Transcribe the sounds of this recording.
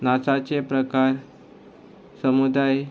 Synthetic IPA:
nat͡sat͡sepɾəkaɾ | səmud̪aj

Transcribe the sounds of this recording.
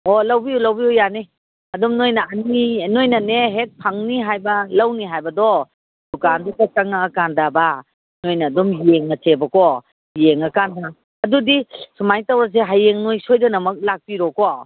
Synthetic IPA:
ɔlawbiulɐwbiujani | ɐdɔmnojnɐɐninojnɐneɦek̚pʰaŋniɦajbɐlawniɦajbɐdɔ | dukandɔkakaŋaːkandaba | nojnɐːdɔmjeŋɐsebɐkɔ | jeŋɐkanda | ɐdudisumajtawɾas̬eɦajːeŋnojsojdɐnɐmɐk̚lak̚piɾɔkɔ

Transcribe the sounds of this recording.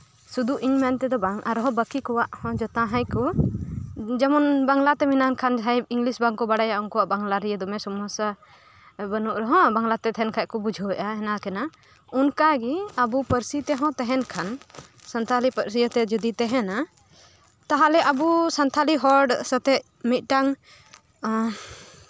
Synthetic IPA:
sud̪uʔiɲmɛnt̪ɛd̪ɔbaŋʔa̰ɾɔɦɔ̃bəkikɔwaʔhɔ̃d͡ʒɔt̪ãɦãjkɔ | d͡ʒamɔnbaŋlat̪ɛminankʰanɦajiŋɡlisbaŋkɔbaɽajaʔuŋkɔwaʔbaŋlaɾijəd̪ɔmɛsɔmɔsa | bənuʔɾɦɔ̃baŋlat̪ɛt̪ɛɛnkʰaʔ̚kɔbud͡ʒʱɔwɛʔaɦɛnakɛna | unkaɡiabupəɾsit̪ɛɦɔ̃t̪ɛɦɛnkʰan | sant̪ʰalipəɾsijət̪ɛd͡ʒud̪it̪ɛɦɛna | t̪aɦalɛʔabusant̪ʰaliɦɔɾɖsət̪ɛʔ | mit̪̚ˀʈaŋ

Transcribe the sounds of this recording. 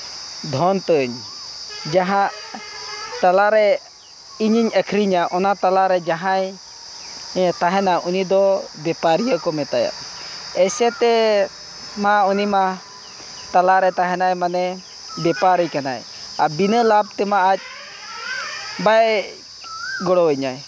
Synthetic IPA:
d̪ʱɔnt̪əɲ | d͡ʒaɦãʔ | t̪alaɾɛ | iɲiɲəkʰɾiɲaʔɔnat̪alaɾɛd͡ʒaɦaj | t̪aɦɛnaunid̪ɔbɛpaɾijəʔkɔmɛt̪aja̰ʔɛsɛt̪ɛ | maunima | t̪alaɾɛt̪aɦɛnajmanɛ | bɛpaɾikanaj | abinəlab̚t̪ɛmaʔac̚ | bajɛ | ɡɔɽɔwəɲaj

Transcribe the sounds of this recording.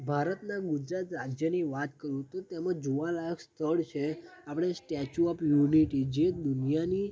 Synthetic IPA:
bʱaɾət̪naɡud͡ʒɾat̪ɾad͡ʒjəniʋat̪kəɾũt̪ot̪emãd͡ʒuʋalajəkst̪ʰəɭt͡ʃʰeapɽ̃esʈɛt͡ʃuɔpjuniʈid͡ʒed̪unijani

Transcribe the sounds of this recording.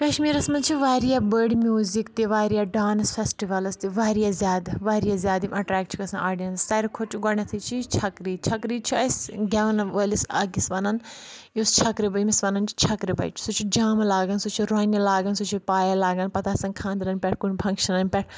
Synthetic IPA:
kɐʃmiːɾɐsmɐnt͡ʃʰiʋaːɾijabəɾɖmʲjuːzikt̪iʋaːɾijaɖaːnsfʰesʈiʋɐlɐst̪iʋaːɾijazjaːd̪ʋaːɾijazʲjaːd̪imɐʈɾɛːk̚ʈt͡ʃʰi̥kɐsãʔaːɖiɐnssɐɾkʰot͡ʃʰuɡɐɳɐt̪ʰit͡ʃʰit͡ʃʰɐkɾiːt͡ʃʰɐkɾiːt͡ʃʰiɐsɡʲaːnɐʋɐlisɐːɡisʋɐnɐnjost͡ʃʰɐkɾibɐjmisʋɐnɐnt͡ʃi̥t͡ʃʰɐkɾibɐ̰jt͡ʃʰi̥sut͡ʃʰid͡ʒaːmlaːɡɐnsut͡ʃʰiɾoːnʲɐlaːɡɐnsut͡ʃʰipaːjalaːɡɐnpɐt̪ʰasɐ̃nkʰãːnd̪ɾɐnʲpʲɛʈ̚ʰkunʲpʰɐ̃ŋkʃɐnɐnʲpʲɛʈ̚ʰ

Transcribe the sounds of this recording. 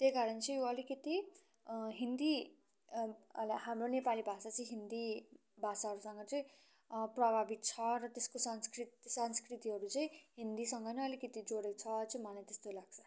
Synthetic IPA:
t̪ekaɾʌnt͡sʌj̃joʌlikʌt̪i | ɦind̪i | lahamronepalibʱasat͡sʌĩɦind̪i | bʱasaɦʌɾusʌŋɡʌt͡sʌĩ | prʌbʱabit̪̚t͡sʰʌrʌt̪eskosʌnskrit̪sʌnskrit̪iɦʌɾut͡sʌĩɦind̪isʌŋɡʌnʌʌlikʌt̪id͡zoɽet͡sʰʌt͡sʌĩmʌlajt̪est̪olaɡ̚t͡sʰʌ̥

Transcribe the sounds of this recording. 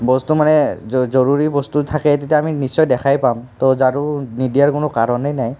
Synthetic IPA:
bɔstumanɛzɔɹuɹibɔstutʰakɛtetijaːminisɔjdɛxʰajpamtɔzaɹunidijaɹkʊnʊkaɹɔnajnaj

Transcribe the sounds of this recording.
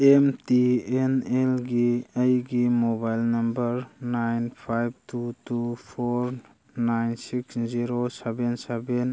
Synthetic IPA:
emtienelɡiajɡimɔbajlnɐmbəɾnajnpʰajb̚tʰutʰupʰɔɾ | najnsiksziɾosebenseben

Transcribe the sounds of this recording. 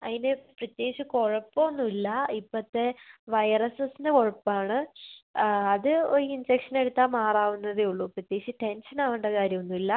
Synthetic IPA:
ɐ̰ðineprɐt̪jeːkɕiko̞ɻɐpːoonːuilːɐipːɐt̪ːe̞ʋɐjrɐsɐsindeko̞ɻɐpːaːɳɨ | ɐðɨoɾuinfekʂɐne̞ɽut̪ːaːmaːraːʋunːɐðeuɭːuprɐt̪je̞ːɕiʈe̞nʂɐnaːʋuɳɖɐkaːɾjɐmonːuilːɐ

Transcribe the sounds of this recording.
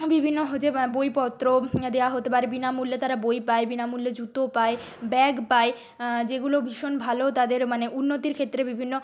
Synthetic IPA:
bibʱinːoɦod͡ʑebojpɔt̪ːɾod̪ewaɦot̪epaɾebinamulːet̪aɾabojpaebinamulːed͡ʑut̪opae | bɛɡpae | d͡ʑeɡulobʱiʃonbʱalot̪ad̪eɾmaneʔunːot̪iɾkʰet̪ːɾebibʱinːo

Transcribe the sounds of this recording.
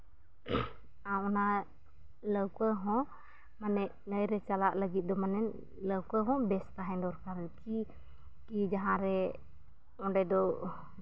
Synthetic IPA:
aɔna | ləwkɔɦɔ̃ | manɛʔ | nəjɾɛt͡ʃalaʔləɡit̪̚d̪ɔmanɛn | ləwkɔɦɔ̃bɛst̪aɦɛ̃ndɔɾkaɾnki | kid͡ʒaɦãɾɛ | ɔ̃ɖɛd̪ɔ

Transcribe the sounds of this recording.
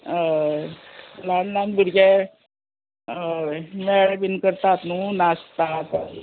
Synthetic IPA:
lanlãnbuɾɡɛ | mɛɭbinkəɾt̪at̪nũnast̪at̪

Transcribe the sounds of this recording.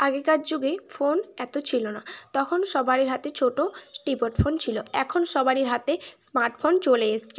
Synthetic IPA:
aɡekat͡ɕd͡ʑuɡefonɛt̪ot͡ɕʰilonat̪ɔkʰonʃɔbaɾiɾɦat̪et͡ɕʰoʈoʈipoʈfʰont͡ɕʰiloɛkʰonʃɔbaɾiɾɦat̪esmaɾʈfʰont͡ɕoleeʃt͡ɕʰe

